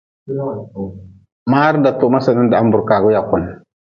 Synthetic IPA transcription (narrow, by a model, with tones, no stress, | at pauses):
ma˦ɾnda˨to˨ma˦sa˨ni˦nda˨a˦mbu˨ɾka˨ɡu˦ja˨ku˨n